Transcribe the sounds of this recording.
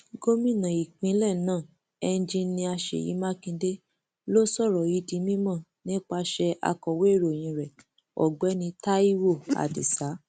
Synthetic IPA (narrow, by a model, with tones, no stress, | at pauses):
ɡo˦mĩ˦˨nã˨i˨k͡pĩ˨˦lɛ˦˨nãː˦˨ | ɛ˧n̩˦d͡ʒĩ˧nĩ˧a˧ʃḛ˨jḭ˨˦mã˦kĩ˧de˦ | lo˦sɔ˦˨ɾɔ˨i˨˦di˧mĩ˦mɔ̃˦˨nĩ˦k͡pa˧ʃɛ˧ʔa̰˧kɔ˨we˦˨ɾo˨j̃ĩ˧ɾɛ˨ | ɔ̰˨ɡ͡bɛ˨˦nĩ˧ta˦i˦wo˦˨a̰˨dḭ˨sa˨˦